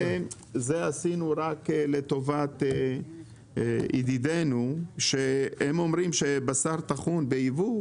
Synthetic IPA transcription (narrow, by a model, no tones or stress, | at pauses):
e | zeasinuɾakle̞t̪o̞vat̪e | ḭd̪id̪enuʃeemo̞mɾimʃebasaʁt̪aχunbeivu